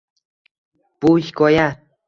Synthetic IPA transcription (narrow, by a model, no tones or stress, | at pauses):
pujkoja